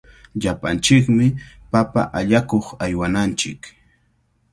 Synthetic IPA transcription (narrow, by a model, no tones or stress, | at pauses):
ʎapant͡ʃɪkmɪ | papa̰ʔaʎakoχajwanant͡ʃɪ̰k